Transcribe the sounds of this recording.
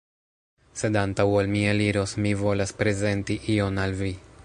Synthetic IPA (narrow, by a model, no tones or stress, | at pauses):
se̞dantawolmieliɾo̞smivo̞laspɾe̞ze̞ntiʔio̞nalvi